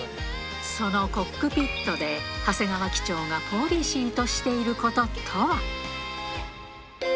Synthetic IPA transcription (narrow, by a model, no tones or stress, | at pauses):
so̞no̞ko̞kːɯ̟pʲit̪ːo̞d̪e̞hase̞ŋaβakʲi̥t͡ɕo̞ːŋapʰo̞ːɾʲiɕiːt̪o̞ɕi̥t̪e̞iɾɯ̟ko̞t̪o̞t̪ʰo